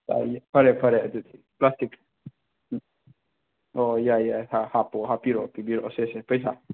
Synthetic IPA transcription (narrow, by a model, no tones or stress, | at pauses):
ta̰japʰaɾɛpʰaɾɛd̪ut̪ʰi | plast̪ik | ɔjajahahapɔhapiɾɔpibiɾɔsesɛpəjs̬a̰